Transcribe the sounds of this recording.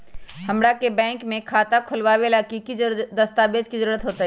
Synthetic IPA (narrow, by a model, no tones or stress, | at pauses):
hɐmɽakebɛ̃ːŋkmẽkʰaːt̪akʰʊlʋaːʋelaːkikid̪ɐst̪aːbeːd͡ʒkizəɾuːɾət̪ɦoːt̪aɦ